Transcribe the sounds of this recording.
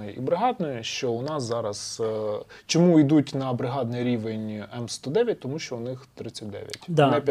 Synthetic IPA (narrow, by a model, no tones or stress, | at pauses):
jɛʔḭbɾɪɦɑd̪nɔjʊʃt͡ʃɔʊnɑszɑɾɐz̥ | t͡ʃɔmuid̪utʲnɐbɾɪɦɑd̪nɪjɾʲiʋenʲɛmst̪ɔd̪ɛʋʲjɐtʲt̪ɔmuʃt͡ʃɔʊnɪxt̪ɾɪt͡sʲːɐt̚ʲd̪ɛ̰ʋʲjɐ̰t̪ʲnɛpʲ